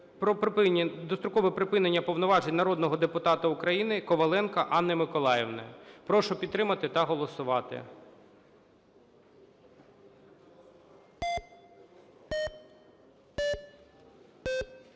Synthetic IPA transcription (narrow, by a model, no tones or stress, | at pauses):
pɾɔd̪ɔst̪ɾʊkɔʋɛpɾɪpɪnenʲːɐpɔʋnɔʋɑʒenʲnɐɾɔd̪nɔɦɔd̪epʊt̪ɑt̪ɐʊkɾɐjinɪkɔʋɐlˠɛnkɐʔɑnːɛmɪkɔlˠɑjeʋnɛ̰pɾɔʃʊpʲid̪t̪ːɾɪmɐt̪ɪt̪ɐɦɔlˠɔsʊʋɑt̪ɪ̰